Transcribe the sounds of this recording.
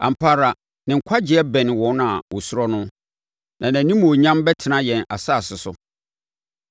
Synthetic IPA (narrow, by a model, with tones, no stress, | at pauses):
ã̰˨m̩˨pʰa˦ɾa˨ | nɪ̃˨ŋ̩˨kʷʰa˦d͡ʑɪ˨˦ɛ˦bɛ̃˨nɪ̃˨wɔ̃˦na˨wɔ˨sʊ˦ɾɔ˦nʊ̃˦ | nã˨nã˨nĩ˦m˦˨o˨ɲã˦mbɛ˦tʰɪ˨nã˦jɛ̃˨na̰˨sa˦˨sɪ˨sʊ̰˨